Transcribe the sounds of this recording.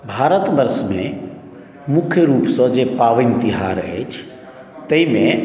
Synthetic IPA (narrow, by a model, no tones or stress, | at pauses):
bʱaːɾət̪bəɾsmḛ̃ | mʊkʰjəɾuːpsɔ̃d͡ʒepaːʋɪ̃nt̪ɪɦaːɾɛ̰t͡ʃʰ | t̪əimẽ